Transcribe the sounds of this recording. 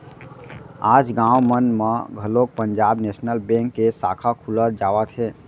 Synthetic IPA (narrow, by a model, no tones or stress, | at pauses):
aːd͡ʒɡãwmənmeɡʱəlok̚pəɲd͡ʒaːbnesnəlbẽŋkːesa̰kʰakʰuləɾd͡ʒaːwət̪ɦɛ